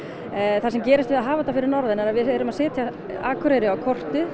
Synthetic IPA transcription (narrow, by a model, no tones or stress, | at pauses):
θasɛmcɛːɾɪst̪vɪðaðɦaːvat̪ːafɪɾɪɾnɔɾðɪnɛɾaðvɪɛːɾʏmaðsɛːt̪ʰja | a̰ːkʰʏɾejɾɪawkʰɔr̥t̪ʏ